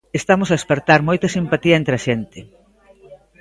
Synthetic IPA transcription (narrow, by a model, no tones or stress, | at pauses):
est̪amosaespeɾt̪aɾmojt̪ɐsimpat̪iɐent̪ɾeaʃent̪e